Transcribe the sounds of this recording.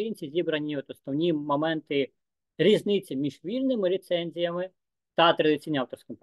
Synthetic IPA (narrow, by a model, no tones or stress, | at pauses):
jinʲt͡sʲizʲibɾɐnʲːiɔt̪ɔsnɔwnʲimɔmɛnt̪ɪ | ɾʲiznɪt͡sʲimʲiʒʋʲilʲnɪmɪlʲɪt̪sɛnʲzʲijɐmɪ | t̪ɐt̪ɾɐd̪ɪtt͡sʲijnʲiɑwt̪ɔrsʲkɪm